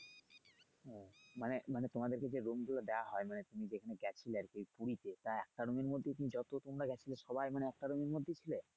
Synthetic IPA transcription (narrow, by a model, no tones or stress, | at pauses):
ɦɛmanemanet̪omad̪eɾked͡ʑeɾumɡulad̪eaɦɔemanet̪umid͡ʑekʰaneɡɛt͡ɕʰileɾkejpuɾit̪et̪aɛk̚ʈaɾumeɾmod̪ʱːet̪umid͡ʑɔt̪ot̪omɾaɡɛt͡ɕʰileʃɔbajmaneɛk̚ʈaɾomeɾmod̪ʱːet͡ɕʰile